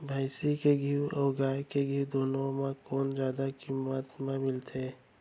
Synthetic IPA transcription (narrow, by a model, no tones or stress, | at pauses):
bʱaɪsikeɡʱiwɔːɡaːjkeɡʱiwd̪oːnõmãkoːnzjaːd̪akimət̪mẽmɪlt̪ʰeː